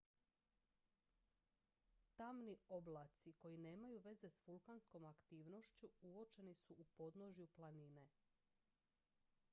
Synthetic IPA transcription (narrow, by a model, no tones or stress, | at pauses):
t̪amnio̞blˠat̪siko̞jine̞ːmajuʋe̞ze̞sfulˠkansko̞makt̪iːʋno̞ʃt͡ɕuuo̞t͡ʃe̞nisuʔupo̞d̪noʒjuplˠanine̞